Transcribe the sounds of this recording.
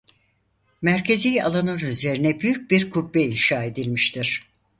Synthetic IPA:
mæɾcʰe̞zija̰lˠanɯnyze̞ɾinɛbyjyc̚biɾkʰubːɛinʃaːe̞d̪ilʲmiʃt̪ʰiɾ̥

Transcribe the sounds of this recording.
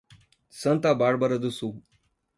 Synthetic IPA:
sənt̪abaɽbəɾəd̪usu

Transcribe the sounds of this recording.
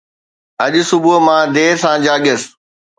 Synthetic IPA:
ɐʄsʊbumãːd̪eːsãːd͡ʑaːɠəs

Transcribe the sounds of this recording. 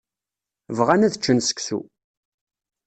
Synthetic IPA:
vʁænæðət͡ʃːənsə̥kθṵ

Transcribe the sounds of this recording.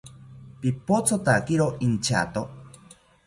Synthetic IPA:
pipot͡sʰot̪akiɾoint͡ʃʰa̰t̪o

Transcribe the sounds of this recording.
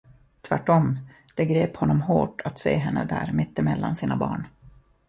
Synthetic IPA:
t̪ʰvæʈːɔm | d̪̥ɛɡɾeːphɔnːɔmɦoːʈat̪seːɦɛnːəd̪æːɾmɪt̪ːɪmɛlːansiːnabɑ̰ːɳ

